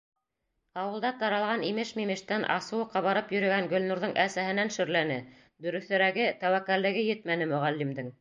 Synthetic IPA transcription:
ɑwɤ̆lˠd̪ɑt̪ɑɾɑlˠʁɑnimɘʃmimɘ̆ʃt̪ænʔɑ̰sɤ̆wɤqɑβɑɾɤpjɵ̆ɾɵ̆ɡæŋɡɵ̆lnuɾðɤɴʔæsæhɘ̆nænʃɵ̆ɾlænɘ | d̪ɵ̆ɾɵ̆θɵ̆ɾæɡɘt̪æwækːæɾlɘ̆ɡɘjɘt̪̚mænɘmɵ̆ʁælːimd̪ɘŋ

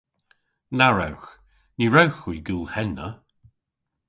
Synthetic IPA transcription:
naɹawx | niɹɛwxwiːɡuːlˠhɛnə

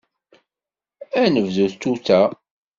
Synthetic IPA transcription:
ænəvðuθt̪ːuθæ

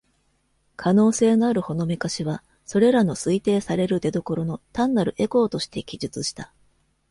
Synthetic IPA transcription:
kʰano̞ːse̞ːnoaɾɯ̟ho̞no̞mʲikaɕiβa | so̞ɾe̞ɾano̞sɨit̪e̞ːsaɾe̞ɾɯ̟d̪e̞d̪o̞ko̞ɾo̞no̞t̪ãnːaɾɯ̟ʔe̞ko̞ːt̪o̞ɕi̥t̪e̞ɡʲiʑɨt͡sɨɕi̥t̪a

